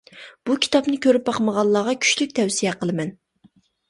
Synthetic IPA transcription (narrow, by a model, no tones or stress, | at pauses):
b̥ukʲʰi̥t̪ʰɑpnɪkʲʰøɾyp̚bɑqməʁɑlˠːɑːʁɑkʲʰy̥ʃlyk̚ʲt̪ʰɛwsijɛqʰəlˠɨmɛn